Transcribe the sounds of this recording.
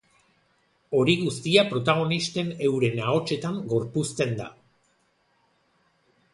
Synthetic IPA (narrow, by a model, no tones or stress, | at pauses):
o̞ɾiɣust̪iapɾo̞t̪aɣ̞o̞nist̪e̞ne̞wɾe̞nao̞t͡ʃe̞t̪aŋɡo̞ɾpust̪e̞nd̪a̰